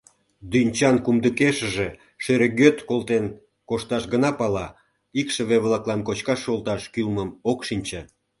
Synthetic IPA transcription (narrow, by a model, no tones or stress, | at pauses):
d̪ynʲt͡ɕɑnkumd̪əkeʃə̆ʒe | ʃeɾeɡøt̪kolt̪en | koʃt̪ɑʃɡənɑpɑlɑ | ikʃə̆βeβlɑklɑmkot͡ɕkɑʃolt̪ɑʃkylməmokʃinʲt͡ɕe